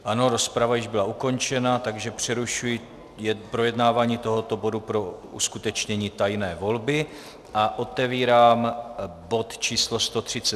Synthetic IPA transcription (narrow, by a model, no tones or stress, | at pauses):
ʔano̞ɾo̞spɾavajɪʒbɪlauko̞nt͡ʃɛnat̪aɡʒɛpr̝̥ɛɾuʃujɪ | jɛpɾo̞jɛdnaːvaːɲiːt̪o̞ɦo̞t̪o̞bo̞dupɾo̞ṵskut̪ɛt͡ʃɲɛɲiːt̪ajnɛːvo̞lbɪ | ʔaʔo̞t̪ɛviːɾaːmbo̞t̪t͡ʃiːslo̞st̪o̞t̪r̥ɪt͡sɛ